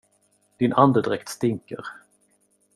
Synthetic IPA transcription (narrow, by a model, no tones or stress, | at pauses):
d̪̥ɪnʔand̪əd̪ɾɛkt̪st̪ɪŋkə̰ɾ